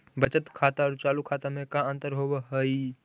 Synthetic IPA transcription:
bət͡ʃət̪kʰaːt̪aɔɾt͡ʃaːlukʰːaːt̪amẽkãə̃nt̪əɾɦoweɦəi

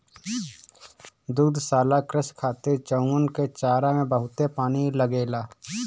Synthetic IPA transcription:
d̪ud̪ʱsaːlakɾɪskʰaːt̪ɪɾt͡ʃəʊŋɡənket͡ʃaːɾamẽbəɦʊt̪epaːniləɡeːlaː

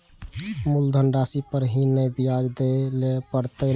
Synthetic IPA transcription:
muld̪ʱəɳɖasipəɾɦinəjbijad͡ʒd̪elepəɾt̪əl

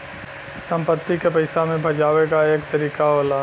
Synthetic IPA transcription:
sə̃mpət̪ːikepɐɪsamẽbʱɐd͡ʒaːʋekaeːkt̪ɐɾiːkaɦoːlaː

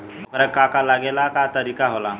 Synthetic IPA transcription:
pəɾəkːakalaɡelakat̪əɾikaɦola

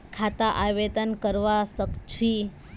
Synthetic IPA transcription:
kʰat̪aʔaʋed̪ənkəɾʋasəkt͡ʃʰi

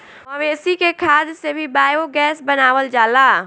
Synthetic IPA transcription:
mɐʋeːsikekʰaːd̪sebʱibaːjoɡɛːsbɐnaːwəld͡ʒaːlaː

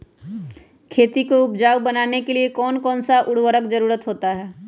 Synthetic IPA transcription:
kʰeːt̪ikoʊpd͡ʒaːwbɐnaːnekeliekɔːnkɔːnsaʔʊɽwəɾəkd͡ʒɐɾuːɾət̪ɦoːt̪aɦɛː

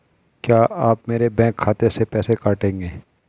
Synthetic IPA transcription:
kjaːʔaːpmeːɾebɛ̃ːkʰːaːt̪esepɛːsekaːʈẽːŋɡeː

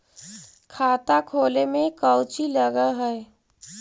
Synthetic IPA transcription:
kʰaːt̪akʰoːlemẽkəʊt͡ʃiləɡəɦɛː

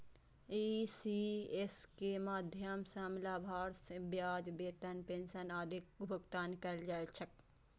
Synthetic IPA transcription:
isieskemaːd̪ʱjɐmsamlaːbʱaːɾsbjaːd͡ʒbeːt̪ɐnpẽnsɐnaːd̪ʱɪk̚bʱʊɡt̪aːnkɐld͡ʒat͡ʃʰɐk̚

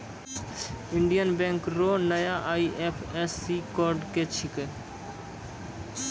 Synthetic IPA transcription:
ɪɳɖijənbẽŋkɾonəjaʔaːiʔepʰesːikoːɾɖket͡ʃʰɪke

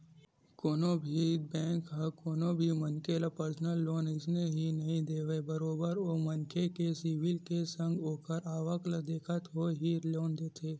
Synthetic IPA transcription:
koːnõbʱid̪̚bɛ̃ːŋkɦɐkoːnõbʱimɐnkelapəɾsnəlːoːnɪsneɦinɐɦĩd̪eːʋebɐɾoːbəɾoːmɐnkʰekesiːʋɪlkesə̃ŋɡoːkəɾaːʋəkləd̪eːkʰət̪ɦoːɦiːɾloːnd̪eːt̪ʰeː

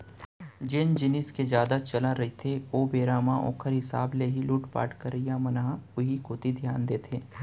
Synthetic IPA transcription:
d͡ʒɪnd͡ʒɪnɪsked͡ʒjaːd̪at͡ʃɐlaɾɐit̪ʰeoːbeːɾaːmãʔɔ̰̃ːkʰəɾɦɪsa̰ːbleɦiluːʈpa̰ːʈkəɾijamɐnaɦʊɦikoːt̪id̪ʱjaːnd̪eːt̪ʰeː

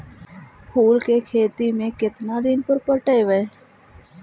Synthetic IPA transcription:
pʰuːlkekʰeːt̪imẽkɪt̪nad̪ɪnpəɾpəʈəeʋe

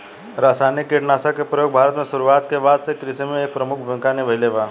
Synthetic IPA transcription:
ɾasajnikːeʈnasakepɾəjoɡ̚bʱaɾət̪mẽsuɾuat̪keʋad̪sekɾisemẽek̚pɾəmukʰbʱə̃ŋkaneʋəileʋa

